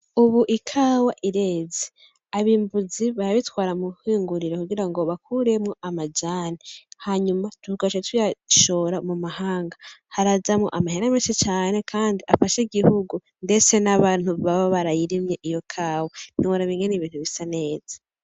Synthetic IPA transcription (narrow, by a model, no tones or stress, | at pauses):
uβuʔikʰaːwaʔiɾe̞ːze | aβiːmbuziβaɾaβitwaːɾamuhiːŋɡuɾiɾekuɡiɾaŋɡo̞βakʰuɾe̞mŋo̞ʔamad͡ʒaːnihaɲumatuɡaʃetwijaʃo̞ːɾamumahaːŋɡahaɾazamŋo̞̰ʔamaheɾameːnʃit͡ʃaːne̞kʰaːndiʔafaʃiɡihuɡu | nde̞t͡se̞naβaːn̥uβaβoβaɾajiɾimɲeʔijo̞kʰaːwanioɾaβiːŋɡeniβiːn̥uβisane̞ːzḁ